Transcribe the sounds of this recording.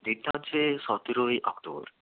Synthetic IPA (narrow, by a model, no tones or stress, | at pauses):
d̪iant͡ɕʰeʃɔt̪iɾojʔɔkt̪obo̰ɾ